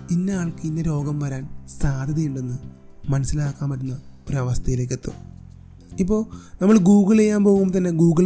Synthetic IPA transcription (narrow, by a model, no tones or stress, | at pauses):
inːeaːɭkɨinːeɾo̞ːɡɐmʋɐɾaːnsaːd̪ʱɐðijuɳɖe̞nːɨ | mɐnɐsilaːkːaːmpɐɾunːɐoɾuɐʋɐst̪ʰɐjile̞ːkːet̪ːṵ | ip̬ːo̞ːɭnɐmːɐɭɡuːɡɐɭejːaːmpo̞ːɣumt̪ɐnːe̞ɡuːɡɐɭ